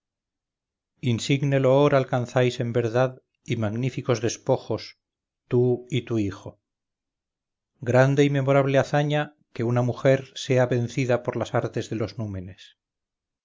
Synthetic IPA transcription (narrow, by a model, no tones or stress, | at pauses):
insiɣne̞looɾalkanθajse̞mbe̞ɾðað | imaɣnifiko̞zðe̞spo̞xo̞s | t̪uit̪uixo̞ | ɡɾand̪e̞ime̞mo̞ɾaβ̞leaθaɲa | ke̞unamuxe̞ɾse̞aβe̞n̟θiðapo̞ɾlasaɾt̪e̞zðelo̞znume̞nes